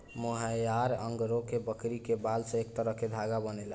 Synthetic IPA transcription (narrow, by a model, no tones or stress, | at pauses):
moɦəjaɾə̰ŋɡɾokebəkɾikebalsə̃ekt̪əɾəɦked̪ʱaɡabənɛl